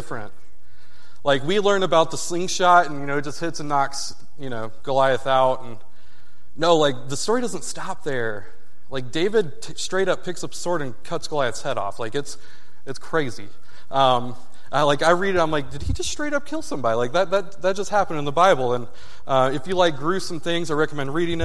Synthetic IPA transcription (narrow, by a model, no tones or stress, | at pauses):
ɪfɹɨ̰̃nt̚ | laɪk̬wilɜ̃˞nɨbaʊt̪̚ðəslɪ̃ŋʃɑtn̩jɨñoʊ̥d͡ʒʌst̚hɪtsɨ̃n̩nːɑks | jɨñoʊɡ̥əlaɪɨθaʊtn̩ | noʊlaɪk̚ðɨstɔɹidʌzə̃n̩tstɑp̚ðə˞ | laɪk̚d̥eɪvɨd̚ʰstɹ̥eɪɾʌpʰːɪksʌpsɔɹɾɨ̃nkʰʌtsɡ̥əlaɪɨθshɛɾɔ̰flaɪkɨts | ɨtskʰɹ̥eɪzi | ʔʌ̃m | ʔaɪlaɪkaɪɹiɾɨɾãɪ̃mlaɪk̚d̥ɨd̚id͡ʒʌststɹ̥eɪɾʌp̚kʰɪlˠsʌ̃mbɑɾilaɪk̚ðɨt̪̚ðɨt̚ðɨt̚d̥ʒ̥ʌst̚hæpə̃n̩dɨ̃nðəbaɪbl̩ˠə̃n | ʔʌ̃mɨfjɨlaɪk̚ɡ̥ɹʉsʌ̃mθɪ̃ŋzaɪɹɛkəmɛ̃ndɹiɾɪ̃ŋɨt̚